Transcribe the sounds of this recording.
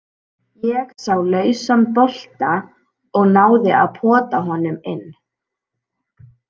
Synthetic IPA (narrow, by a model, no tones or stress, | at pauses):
jɛɣsawlœːɥsampɔl̥t̪a | ɔɣnaːwðɪa̰ðpʰɔːt̪aɦɔnʏmɪnː